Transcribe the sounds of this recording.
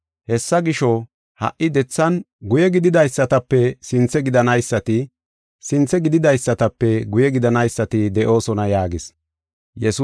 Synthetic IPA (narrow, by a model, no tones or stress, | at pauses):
hɛsːɐɡɪʃɔ | hɐ̰ʔːɪd̪ɛt͡sːɐn | ɡʊjɛɡɪd̪ɪd̪ɐjsːɐt̪ɐpːɛsɪnt͡sːɛɡɪd̪ɐnɐjsːɐt̪ɪ | sɪnt͡sːɛɡɪd̪ɪd̪ɐjsːɐt̪ɐpːɛɡʊjɛɡɪd̪ɐnɐjsːɐt̪ɪd̪ɛʔo̞ːsɔnɐjaːɡɪs | jɛs